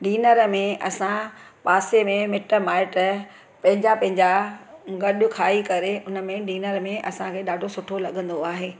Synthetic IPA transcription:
ɖiːnəɾmẽʔɐsã | paːsemẽmɪʈə̆maːɪʈə | pɐ̃ɦɪ̃ɲd͡ʑapɐ̃ɦɪ̃ɲd͡ʑaɡɐɗʊkʰaːikɐɾeʔʊnəmẽɖiːnəɾmẽʔɐsãkʰeːɗaːɖʱosʊʈʰolɐɠə̃nd̪oaːɦeː

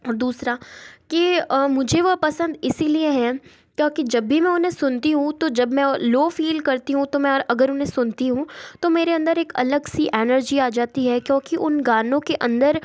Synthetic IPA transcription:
ɔɾd̪uːsɾaːkimʊd͡ʒʱeʋɐpɐsə̃nd̪ɪsilieɦɛ̃ | kjõːkid͡ʒɐbːimɛ̃ʊnɦẽsʊnt̪iɦũt̪od͡ʒɐbmɛ̃loːfiːlkɐɾt̪iɦũt̪omɛ̃ːɾɐɡəɾʊnɦẽsʊnt̪iɦũt̪omeːɾeɐ̃nd̪əɾeːkɐ̰ləɡsiʔɛːnəɾd͡ʒiaːd͡ʒaːt̪iɦɛkjõːkiʔʊnɡaːnõkeʔɐ̃nd̪əɾ

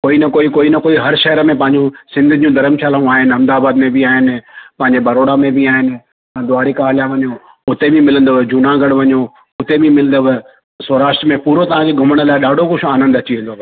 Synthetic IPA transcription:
koːinɐkoːikoːinɐkoːiɦɐɾʃɐɦəɾəmẽp̬ɐ̃ɦɪ̃ɲd͡ʑũsɪ̃nd̪ʱʊd͡ʑũd̪ɐɾəmʃʰaːlaũaːɦɪnɪɦɐmd̪aːbaːd̪mẽbɪaːɦɪnɪpɐ̃ɦɪ̃ɲd͡ʑebɐɾoːɽamẽbiaːɦɪn̆ | ɐ̃d̪ʊaːɾikaɦlijãʋɐɲo | ʊt̪ebʱĩmɪlə̃nd̪əʋd͡ʑʊnãɡɐɽʋɐɲo | ʊt̪ebĩmɪlə̃nd̪əʋ | sɐːɾaːʃʈɾəmẽpuːɾot̪ɐʋ̤ãd͡ʑeɡʱʊməɽ̃ə̆laːɪɗaːɖʱokʊʃʰaːnə̃nd̪ɐt͡ɕiʋẽːnd̪ob

